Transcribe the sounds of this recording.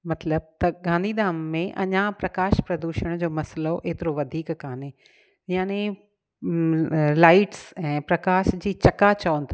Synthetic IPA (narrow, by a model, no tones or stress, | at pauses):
mɐt̪ləb̚t̪ɐɡãːnd̪ʱiːd̪aːmːẽʔɐ̰ɲãpɾɐkaːʃpɾɐd̪uːʃəɽ̃d͡ʑoːmɐsloʔeːt̪ɪɾoʋɐd̪ʱiːkːaːnɦeː | jaːne | laːɪʈsɛ̃ːpɾɐkaːʃd͡ʑiːt͡ɕɐkat͡ɕɐənt̪ʰː